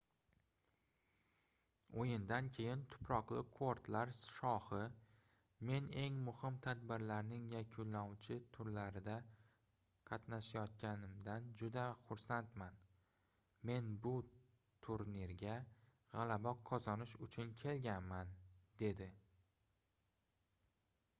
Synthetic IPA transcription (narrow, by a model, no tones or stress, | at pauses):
ojɪnd̪ankʲʰe̞jɪnt̪ʰʊ̥pʰɾɒqlˠɪkʰoɾt̪laɾʃɒhɪ | me̞ne̞ŋmʊhɪmt̪ʰad̪bɪɾlaɾnɪŋjakʲʰʊnlːawt͡ʃʰɪt̪ʰʊɾlaɾɪd̪a | qʰɑt̪naʃajɒt̪̚kʲanɪmd̪and͡ʒʊd̪aχʊɾsant̪man | me̞nbʊ | t̪ʰʊɾniɾɡʲa | ʁɑlabɒqʰːɒzɒnɪʃʊt͡ʃʰʊnkʲʰe̞lɡʲanmand̪e̞d̪ɪ